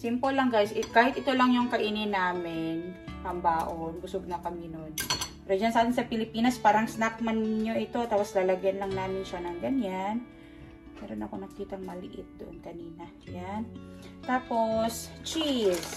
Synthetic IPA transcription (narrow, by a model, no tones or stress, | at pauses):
simpolɐŋɡajsɪkaːhɪt̪ʔɪt̪olɐŋjʊŋkɐʔiːnɪnaːmɪnpɐmbaːʔonbʊsoɡ̚nɐkɐmɪnonppɛːɾod͡ʒɐnsɐaːt̪ɪnsɐpɪlɪpiːnɐspaːɾɐŋsnak̚mɐnɲoʔɪt̪o̞t̪aːposlɐlɐɡjɐnlɐŋnaːmɪnʃɐnɐŋɡɐɲan | mɛ̰ːɾo̞nʔɐko̞nɐɡkiːt̪ɐŋmɐlɪʔɪt̪̚d̪ʊʔonkɐniːnɐ | jan | t̪aːpo̞st͡ʃis